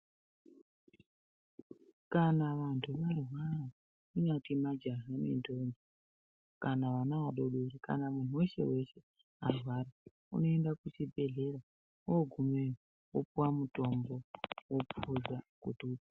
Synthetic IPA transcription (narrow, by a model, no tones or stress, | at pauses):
kanaʋantʰuʋarwaɾa | inatimad͡ʒaɦanḭndond͡ʒi | kanaʋanaʋaɗo̞ɗoɾika̰namun̤uwe̞se̞̰we̞se̞ | arwaɾa | ṵno̞e̞ndakut͡ʃibʱe̞ɮe̞ɾa | woɡʱume | wopuwamuto̞mbo̞wopʰuzakutuːpa